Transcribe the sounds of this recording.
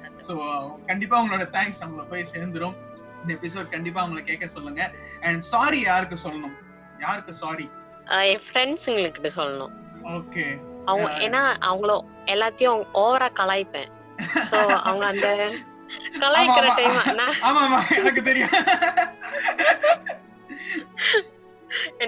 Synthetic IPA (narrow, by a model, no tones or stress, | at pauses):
soːkɐɳɖɪpːaːʋʊŋɡɐɭoːɽɐt̪ãːŋksɐʋɐŋɡɐɭɐpoːjseːɾnd̪ɯɾɯm | ɪnd̪ɐɛpɪs̬oːɖkɐɳɖɪpːaːɐʋʊŋɡɐɭɐkeːkːɐsɔlːɯŋɡɐɛɳɖsaːɾijaːɾɯk̬ːɯsɔlːɐnʊ̃ | jaːɾɯkːɯ̃saːɾi | ɛfɾɛɳɖsɪŋɡɐɭɯkːɪʈːɯsɔlːɐnʊ̰̃ | oːkeɐʋɐŋɡɐʔḛːnːaːʔɐ̰ʋɐŋɡɐɭo | ɛlːaːt̪ːɪjʊ̃ʔoːʋɐɾaːkɐlaːjɪpːḛ̃ː | soːɐ̰ʋɐŋɡɐɐnd̪ɐ | kɐlaːjɪːɪɾɐʈɐɪmanaːaːmaːmãːɛnɐk̬ːɯt̪̬ɛɾɪjã | ɛn